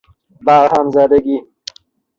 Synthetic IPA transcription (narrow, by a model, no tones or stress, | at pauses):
baɾhamzad̪aɡi